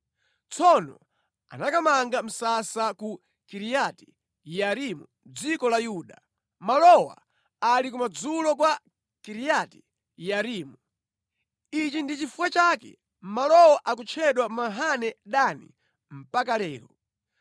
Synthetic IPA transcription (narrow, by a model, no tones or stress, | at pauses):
t͡sʰɔnɔ̰ | a̰nakamaŋɡam̩sasaku | kiɾijati̥ | jaɾimu | d͡zikɔlajuːɗa | malɔwa̰ | alik̬umad͡zulɔkwa | kiɾijati̥ | jaɾiːmu | it͡ʃindit͡ʃifuwat͡ʃaːkɛ̰ | malɔwaʔakut͡ʃʰɛɗwamaɦanɛɗanḭ | m̩pak̬alɛːɾɔ